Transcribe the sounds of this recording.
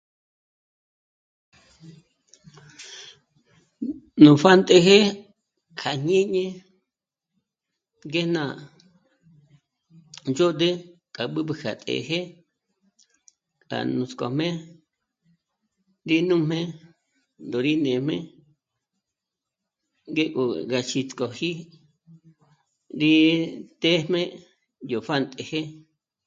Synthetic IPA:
nũ˨fa˦˨nt̪ʼe˧ɦe˦ | kʰa˨ɲẽ˦ɲẽ˦ | ɡe˦nã˨ | nd͡ʒo˦d̪e˦ | kʼa˨ɓɨ˦ɓɨ˧kʰa̰˨t̪ʼḛ˨ɦe˦ | ka̰˨nũ˨˧t͡skʼɔ˨mẽ˦ | ɾi˦nũ˦mẽ˦ | nd̪o˨ɾi˦nẽ˨mḛ̃˦ | ŋɡe˦kʼo̰˨ɣa˨t͡ʃi˧t͡skʼɔ˨hi˦ | ɾi˦t̪e˦mẽ˦ | jo˨fa˦˨nt̪ʼe˨he˦

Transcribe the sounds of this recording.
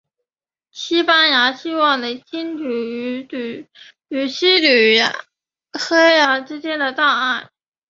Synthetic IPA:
ɕi˥pa˥nja˧˥ɕi˥wɑ˥˩ŋlə˨˩t͡ɕʰi˥nʈ͡ʂy˨˩˧ | ly˨˩ɕi˥ly˨˩˥ | xe˥ɪa˧˥ʈ͡ʂɻ̩˥t͡ɕjɛ˥nd̪ə˨t̪a˥˧a˥˩ɪ

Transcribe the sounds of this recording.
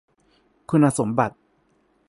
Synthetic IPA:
kʰu˧nha˧so˩˦mba˨˩t̪̚

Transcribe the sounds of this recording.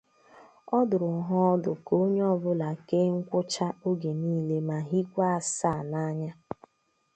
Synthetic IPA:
ɔ˦dʊ˨ɾʊ˨ŋ̩˨˦ɦɔ˦ɔ˦dʊ˨ko˦ɲ˦ɔ˦bʊ˦la˨ke˦ŋ̩˦kʷʊ˦t͡ʃa˦o˦ɡe˨niː˦le˦ma˨ɦi˦kʷa˦a˨sa˦˨na˦ɲa˦

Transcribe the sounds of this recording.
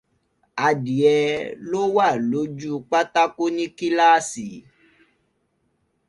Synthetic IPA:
a˨di˨ɛ˧lo˦wa˦˨lo˨˦d͡ʒu˦k͡pa˦ta˦ko˦nĩ˦ki˦la˦˨si˨

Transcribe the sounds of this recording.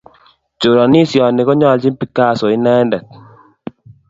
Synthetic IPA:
t͡ʃo˨ɾɔ˨ni˦sjɔ˨ne˨kɔ˦ɲɔ˦˨lt͡ʃi˦pi˦ka˦˨sɔ˨ɪ˦nɛ˦ndɛ˨t̪̚

